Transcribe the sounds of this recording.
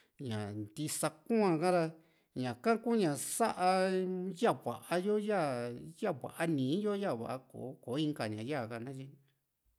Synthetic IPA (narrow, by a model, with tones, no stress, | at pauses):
ɲã˨nd̪i˧sa˧kũ˦ã˧kã˦ɾa˧ | ɲã˨kã˦ku˦ɲã˨sa˦ʔa˧ja˦˨βʷa̰˨ʔa˧jo˦ja˦˨ja˦˨βʷa̰˨ʔa˦nĩː˨˦jo˦ja˦˨βa̰˨ʔa˧˦ko̰˨˦koː˨˦ĩ˧ŋka˧ɲã˨ja˦˨ka˧nã˦t͡ʃi˧